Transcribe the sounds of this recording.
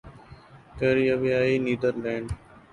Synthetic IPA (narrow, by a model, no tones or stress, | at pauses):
kəɾiːabiaːiːniːd̪əɾlẽːɳɖ